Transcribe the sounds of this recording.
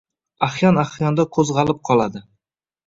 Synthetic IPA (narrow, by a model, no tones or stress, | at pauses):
aχjɒnaχjɒnd̪akʰɵzʁɑlɪp̚qʰɒlˠad̪ɪ